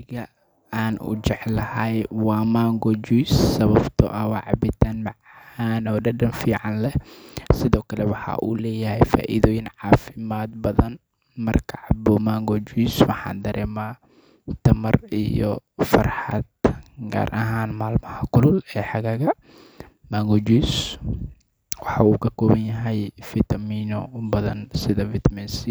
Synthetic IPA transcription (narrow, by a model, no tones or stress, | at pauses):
ɣɐ | aːnʔʊ̰t͡ʃɛʕlɐhɐjwɑːmaːŋɡɔd͡ʒujsːɐβɐbt̪ʰɔ̰ʔɐwɑːʕɑ̰bɪt̪ʰanmɑʕhaːnɔːɖɐɖɐnfiːʕɑnlɛsɪðɔːkʰɐlɛwɑħɑ̰ʔuːlɛːjɐhɛjfa̰ːʔɪðɔːjɪnʕɑːfɪmaːd̪̚bɐðɐn | mɐrkʰɐʕɑbɔmaːŋɡɔd͡ʒujswɑħɑ̰ːnd̪ɐɾɛːmaː | t̪ʰɐmɐrijɔ̰fɐ̰rħɑ̰d̪̚ɡa̰ːɾʔɐɦaːnmaːlmɐhɐkʰʊlʊlɛːħɑɣaːɣɐ | maːŋɡɔd͡ʒiːs | wɑħɑuːkʰɐkʰɔːβɐnjɐɦɛjfɪt̪ʰɐmiːnɔbɐðɐnsɪðɐfɪt̪ʰɐmɛnsi